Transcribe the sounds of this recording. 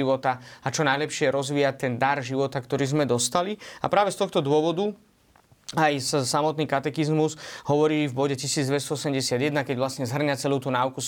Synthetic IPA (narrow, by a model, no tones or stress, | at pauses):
iʋɔt̪aat͡ʃɔnajlɛpʃɪɛɾɔzʋiːjac̚t̪ɛnd̪aɾʒiʋɔt̪akt̪ɔɾiːzmɛd̪ɔst̪alia̰pɾaːʋɛst̪ɔxt̪ɔd̪ʊɔʋɔd̪u | ajssamɔt̪niːkat̪ɛkizmuzɦɔʋɔɾiːvbɔɟɛcisiːd͡zd̪ʋɛst̪ɔɔsɛmɟɛsɪad̪jɛd̪nakɛɟʋlasɲɛzɦr̩ɲat͡sɛlut̪unaːuku